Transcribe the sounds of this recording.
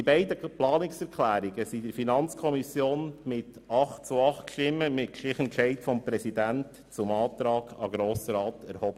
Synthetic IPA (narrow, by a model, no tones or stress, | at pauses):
ibɛɪdəplɑːnɪksɛɾkʰlæːɾiɡəsid̥əɾfinɑnt͡skʰɔmisjoːnmɪtɑχt̚t͡suɑχtkʃtɪmːəmɪt̚kʃɪχənkʃɛɪtfɔmpɾɛsidænt | t͡sʊmɑːt̪ɾɑːɡ̥ɑɡɾoːsəɾɑːt̪ɛɾhɔb̥ə